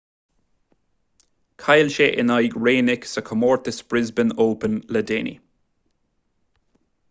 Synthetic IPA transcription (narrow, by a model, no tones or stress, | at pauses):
kʰajlʃeʔɪnajɡɹeːnɪksəkʰəmɔːɹt̪əsb̥ɹɪzbənoːpənlədenḭ